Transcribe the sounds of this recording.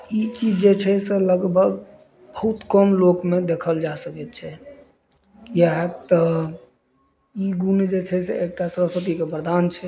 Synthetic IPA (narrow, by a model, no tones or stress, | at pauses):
it͡ʃid͡ʒd͡ʒet͡ʃʰɛsẽləɡbʱəɡ | bəɦut̪kəmlokmed̪ekʰəld͡ʒasəkɛt̪̚t͡ʃʰɛ | jaɦet̪ə | iɡuned͡ʒet͡ʃʰɛseek̚ʈasəɾəswət̪̬ikebəɾd̪ʱant͡ʃʰɛ